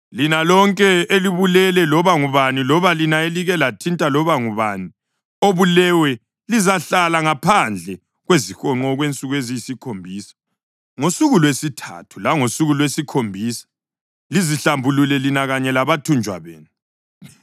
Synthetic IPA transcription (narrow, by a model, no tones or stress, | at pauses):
linalɔŋkʼɛeliβulɛlɛlɔβaŋuβanilɔβalinaeliɣɛlatʰintʼalɔβaŋuβani | oβulɛwɛ | lizaɬalaŋapʰand͡ɮʱɛ | ɣwezixɔŋ͡ǃɔɣwent͡sʼuɣwezijisikʰombʱiːsḁ | ŋosuɣulwesitʰa̰tʰu̥laŋosuɣulwesikʰombʱiːsḁ | liziɬambʱululɛlinaɣaɲɛlaβatʰund͡ʒʱwa̰βḛːnu